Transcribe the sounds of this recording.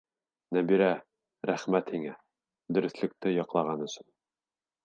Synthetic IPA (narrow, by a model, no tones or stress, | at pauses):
næbiɾæ | ɾæχmæt̪hiŋæ | d̪ɵ̆ɾɵ̆θlɘ̆k̚t̪ɘjɑqlˠɑʁɑnɵ̆sɵn